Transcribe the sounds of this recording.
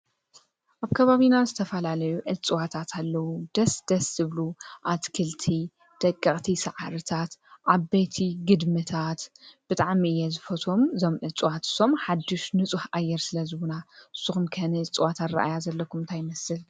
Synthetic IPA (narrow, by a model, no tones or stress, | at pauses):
ʔaβkʰɐβaβinazɨt̪ʰɐfɐlalɐjuʔɨt͡sʼɨwat̪ʰat̪ʰalːɐwud̪̥ɐsd̪̥ɐsːɨβluʔat̪kʰɨlt̪ʰi | d̪̥ɐkʼːɐχʼt̪ʰisɨʕaɾɨt̪ʰat̪ʔaβbet̪ʰiɡɨd̪mɨt̪ʰat̪b̥ɨt̪ʼaʕmiɨjːɛzɨfɐt̪ʰo̞mzo̞mʕɨt͡sʼɨwat̪ɨ̥so̞mħad̪ːɪʃnɨt͡sʼuħajɛɾsɨlɐzɨwunaɨsːɨxumkʰɐnɨt͡sʼɨwat̪ʰat̪ɾɐ̰ʔajazɐlːɐkʰumnt̪ʰajmɐsɨl